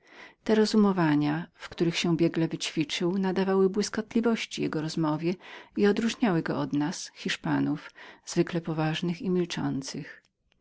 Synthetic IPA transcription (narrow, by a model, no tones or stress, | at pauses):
t̪ɛɾɔzumɔvaɲafkt̪uɾɘxɕɛ̃bʲjɛɡlɛvɘt͡ɕfʲit͡ʂɘwnad̪avawɘbwɘskɔt̪lʲivɔɕt͡ɕijɛɡɔɾɔzmɔvʲjɛiɔd̪ɾuʐɲawɘɡɔɔd̪nasxʲiʂpanufz̥vɘklɛpɔvaʐnɘximʲilt͡ʂɔ̰nt̪sɨx